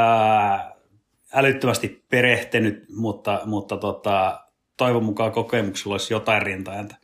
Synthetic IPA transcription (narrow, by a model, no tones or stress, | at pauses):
ælyt̪ːømæst̪ippereht̪enyt̪mut̪ːɑmut̪ːɑt̪ot̪ɑ | t̪oiʋomukɑkokemukselːolisjot̪ɑirrint̪ɑent̪æ̥